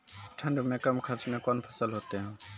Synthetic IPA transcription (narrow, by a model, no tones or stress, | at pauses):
ʈʰəɳɖumẽkəmkʰəɾt͡ʃmẽkɔnpʰəsəlɦoːt̪eɦũː